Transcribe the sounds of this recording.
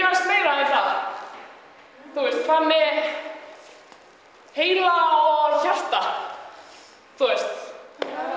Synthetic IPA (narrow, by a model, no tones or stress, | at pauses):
ɾasmeːjɾaiθað | θuɪst̪θanːɛ | heːjlaɔçar̥t̪a | θuest̪